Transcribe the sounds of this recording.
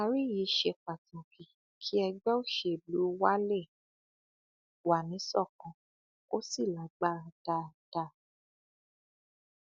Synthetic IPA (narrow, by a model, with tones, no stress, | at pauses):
a˧˨ɾi˦ji˨˦ʃe˧˨k͡pa˨tũ˨kĩ˨ | kʰi˦ɛ˧ɡ͡bɛ˦o˦˨ʃe˨bu˨˦wa˦le˦˨ | wa˨nĩ˨˦sɔ˦˨kɔ̃˨ | o˦si˦˨la˨˦ɡ͡ba˦˧d̥a˦˨d̥a˦˨